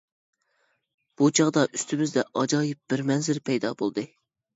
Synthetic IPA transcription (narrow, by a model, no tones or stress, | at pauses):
b̥ut͡ʃʰɑʁd̪ɑʔyst̪ʰymɪzd̪ɛʔɑd͡ʒɑːjip̚bɪɾmɛnzɪɾpʰɛjd̪ɑbolˠd̪ɨ